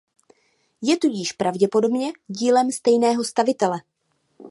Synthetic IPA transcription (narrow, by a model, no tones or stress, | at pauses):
jɛt̪uɟiʃpɾavɟɛpo̞do̞bɲɛɟiːlɛmst̪ɛjnɛːɦo̞st̪avɪt̪ɛlɛ